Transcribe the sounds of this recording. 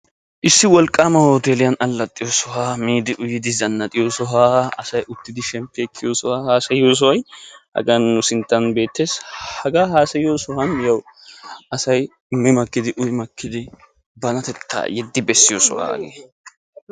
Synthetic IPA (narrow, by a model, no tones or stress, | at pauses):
ʔɪsːɪwɔlkʼːaːmɐhoːt̪eːlɪjɐnɐlːɐt̪ʼːɪjoːsɔɦaːmiːd̪ɪʔʊjɪd̪ɪzɐnːɐt̪ʼɪjoːsɔɦaːɐsɐjʔʊt̪ːɪd̪ɪʃɛmpːeːkʰːɪjoːsɔwaːhaːsɐjoːs̬ɔwɐjhɐ̰ɡɐnːʊsɪnt̪ːɐnbe̞ːt̪ːeːshɐɡaːhaːsɐjoːsɔhɐnjɐw | ɐsɐj | mɪmɐkːɪd̪ɪʔʊjɪmɐkːɪd̪ɪ | bɐnɐt̪ɛt̪ʰːa̰ːjɛd̪ːɪbɛsːɪjoːsɔ̰wa̰ːɡḛː